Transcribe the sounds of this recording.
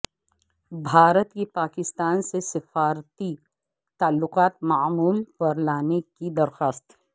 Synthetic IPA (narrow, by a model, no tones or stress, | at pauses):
bʱaːɾət̪kipaːkɪst̪aːnsesɪfaːɾt̪i | t̪aːlːʊqaːt̪maːmuːlpɐɾlaːnekid̪ɐɾxaːst̪ɛː